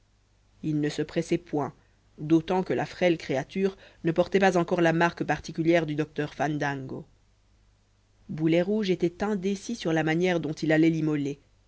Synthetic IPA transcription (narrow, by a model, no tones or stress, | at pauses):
ilnəsəpχɛsɛpwɛ̃ | d̪ot̪ɑ̃kəlʔa̰fχɛlkχeat̪yːʁnəpɔʁt̪ɛpazɑ̃kɔʁlamaʁkəpaʁt̪ikʲyljɛʁd̪yd̪ɔk̚t̪œʁfand̪ãŋɡo | bulɛʁuʒet̪ɛt̪ɛ̃d̪esisyʁlamanjɛʁd̪ɔ̃t̪ilalɛlimɔle